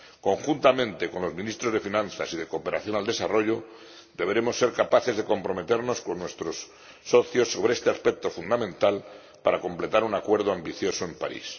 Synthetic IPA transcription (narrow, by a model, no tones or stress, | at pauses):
ko̞ŋxunt̪amẽ̞nt̪e̞ko̞nlo̞zmĩnist̪ɾo̞zðe̞finãnθa̰sið̞e̞kope̞ɾaθjo̞nald̪e̞saro̞ʎo̞ | d̪e̞βeɾe̞mo̞sːe̞ɾkapaθe̞zðe̞ko̞mpɾo̞me̞t̪e̞ɾno̞sko̞nːwe̞st̪ɾo̞sː | o̞θjo̞sːo̞β̞ɾeest̪e̞aspe̞k̚t̪o̞fund̪amẽ̞nt̪al | paɾako̞mple̞t̪aɾunakwe̞ɾð̞oambiθjo̞soe̞mpa̰ɾḭs